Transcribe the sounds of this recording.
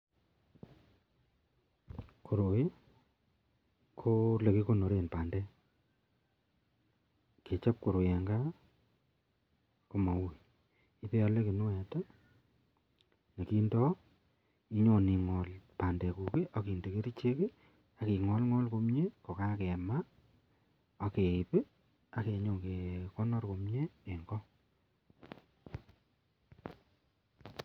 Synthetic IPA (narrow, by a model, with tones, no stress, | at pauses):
kʰo˨ɾo˨je˦ | kʰo˦le˨ki˦ko˦no˨ɾe˨npa˨ndɛ˦ | ke˨t͡ʃa˦p̚ko˨ɾo˨jɛ˨ŋɡa˦ | ko˦ma˨we˨ | i˦pe˦a˦le˦ki˨nu˦ɛ˨ta˦ | ne˨ki˦ndɔ˦ | i˦ɲo˨ni˨ŋɔ˨lpa˨nde˨ku˨ke˦ʔa˨ki˨nde˨ke˦ɾi˦t͡ʃe˦ke˦ | a˨ki˨ŋɔ˦lŋɔ˦lko˦mɲe˦ko˨ka˦kɛ˨ma˦ | a˨ke˨i˨pe˦ | a˨ke˨ɲo˨ke˨kɔ˦nɔ˦rko˨mɲe˦e˨ŋɡɔ˦